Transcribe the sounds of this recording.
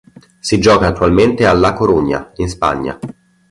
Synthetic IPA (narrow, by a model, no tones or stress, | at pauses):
sid͡ʒɔːkaːt̪ːualment̪ealːakoɾuɲːa̰inspa̰ɲːa̰